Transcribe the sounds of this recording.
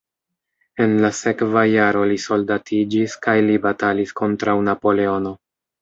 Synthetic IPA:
e̞nlase̞kvajaɾo̞liso̞ldatʰid͡ʒiskajlibatalisko̞ntɾawnapo̞le̞o̞no̞

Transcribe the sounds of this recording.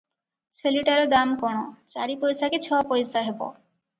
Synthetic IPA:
t͡ɕʰoliʈaɾod̪amkoñot͡ɕaɾipojsaket͡ɕʰɔpojsaɦebo̰

